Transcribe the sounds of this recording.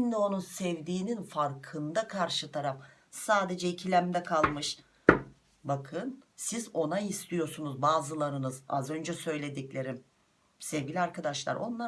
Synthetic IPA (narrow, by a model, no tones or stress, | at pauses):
nd̪ɛo̞nunsɛvd̪iːninfaɾkʰɯnd̪akʰaɾʃɯt̪ʰaɾaf | saːd̪e̞d͡ʒɛicʰilʲæmd̪ɛkʰalˠmɯʃ | bakʰɯnsizo̞naist̪ʰijo̞ɾsunuzbaːzɯlˠaɾɯnɯza̰zø̞nd͡ʒɛsø̞jlʲe̞d̪iclʲe̞ɾim | sevɟʲilʲiaɾkad̪aʃlˠa̰ɾo̞̰nlˠa